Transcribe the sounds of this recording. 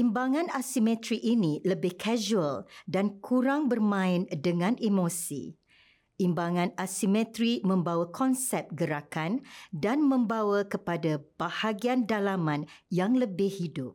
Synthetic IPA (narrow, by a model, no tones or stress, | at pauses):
ʔimbaŋãnasimɛ̃t̪ɾiʔinĩləbɪhkʰaʒuəldankʰuɾaŋbərmãɪndəŋãnimosḭ | imbaŋãnasimɛ̃t̪ɾimə̃mbawakʰɔnsɛp̚ɡəɾakandanmə̃mbawakəpadab̥ahaɡiandalamãnjaŋləbɪhhidʊp̚